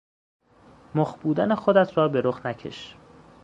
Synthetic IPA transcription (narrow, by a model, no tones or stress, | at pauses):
moχbuːd̪ænexod̪æt̪ʰrɒːbe̞ɾoχnæcʰḛʃ